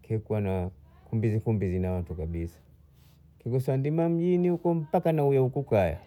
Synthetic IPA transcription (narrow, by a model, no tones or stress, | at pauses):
kɛkuwana | kumbizikumbizinawantukaɓisḁ | kiɡɔsandimam̩ʄinihukɔm̩pakanaujaukukaja̰